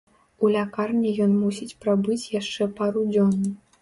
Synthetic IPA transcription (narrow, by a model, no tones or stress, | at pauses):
ulʲakarnʲijɔnmusʲit͡sʲpɾabɨt͡sʲjaʂt͡ʂɛpaɾud͡zʲɔnːu